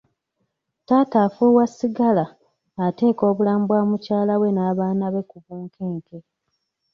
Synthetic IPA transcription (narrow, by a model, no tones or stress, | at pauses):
taːtaːfuːwasːiɡalaː | te̞ːko̞ːβulaːmbwaːmucaːlawe̞naːβaːnaβe̞kuβuːŋkʰeːŋke